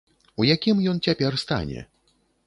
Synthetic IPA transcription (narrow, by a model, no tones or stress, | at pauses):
ujakʲimjɔnt͡sʲapʲɛrst̪a̰nʲɛ̰